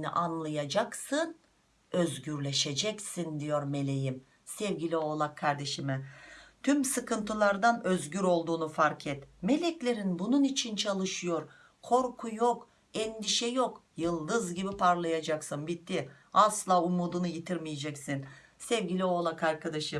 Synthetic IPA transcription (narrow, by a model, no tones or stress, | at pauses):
nḭʔanlˠajad͡ʒaksɯn | ø̞zɟyɾlʲe̞ʃe̞d͡ʒɛcsind̪ijo̞ɾme̞lʲe̞jim | sɛvɟʲilʲio̞ːlˠakʰːaɾd̪e̞ʃimɛt̪ʰymsɯkʰɯnt̪ʰɯlˠaɾd̪anøzɟyɾo̞lˠd̪uːnufaɾkʰɛt̪me̞lʲɛclʲe̞ɾinbununit͡ʃʰint͡ʃʰalˠɯʃɯjo̞ɾ | kʰo̞ɾkʰujo̞k | ɛnd̪iʃɛjo̞kjɯlˠd̪ɯzɟibipʰaɾlˠajad͡ʒaksɯnbit̪ʰːi | aslˠaːumuːd̪unujit̪ʰiɾmijed͡ʒɛcsinsɛvɟilʲio̞ːlˠakaɾkʰad̪aʃɯm